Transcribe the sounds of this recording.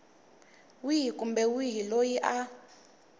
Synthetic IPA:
wiɦikʼumbɛwiɦilojiʔa

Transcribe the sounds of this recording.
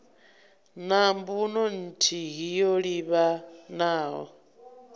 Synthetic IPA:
nambunɔn̩tʰiɦijoɺiβanaːɦɔ̰

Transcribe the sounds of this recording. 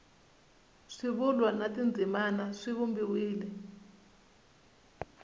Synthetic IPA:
ʂiβulwanatind͡zʱimanaʂiβumbiwiːlɛ

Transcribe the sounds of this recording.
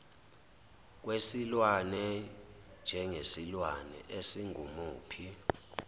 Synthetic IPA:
k̬wesilwanɛ | nd͡ʒʱɛŋesilwanɛ̰ʔesiŋʱumuːpʰi

